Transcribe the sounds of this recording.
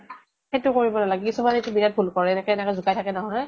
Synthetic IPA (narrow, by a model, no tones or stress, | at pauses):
xetʊkoɹibɔnalaɡɛkisumanetubiɹat̚bʱulkɔɹɛɛnɛkɛɛnɛkɔzukajtʰakɛnɔɦɔɛ